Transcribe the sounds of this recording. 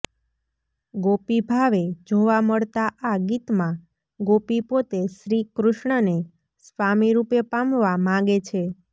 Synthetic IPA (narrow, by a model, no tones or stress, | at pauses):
ɡopibʱaʋed͡ʒoʋaməɭt̪aʔaɡit̪mã | ɡopipot̪eʃɾikɾʊʃɳəne | sʋamiɾupepamʋamãɡet͡ʃʰe